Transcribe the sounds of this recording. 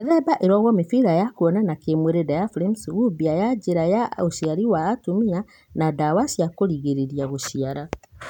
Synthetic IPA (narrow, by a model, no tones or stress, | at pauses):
eɾɛbaʔeɾɔɣwɔmefiɾajakuɔnanakemweɾedajaflemsɣubiajaɟeɾajaoʃiaɾiwaːtomia | nadawasiakoɾiɣeɾeɾiaɣoʃiaɾa